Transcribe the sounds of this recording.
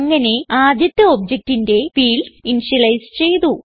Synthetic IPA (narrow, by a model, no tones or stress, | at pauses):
ŋːɐne̞aːd̪ʱjɐt̪ːɐobd͡ʑek̚tinde̞fiːlinɕɐlɐjst͡ɕe̞jt̪u